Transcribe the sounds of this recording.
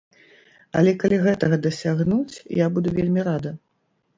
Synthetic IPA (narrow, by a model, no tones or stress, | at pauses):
ɐ̰lʲɛkalʲiɣɛt̪ɐɣɐd̪ɐsʲaɣnut͡sʲjabud̪uvʲelʲmʲiɾad̪ɐ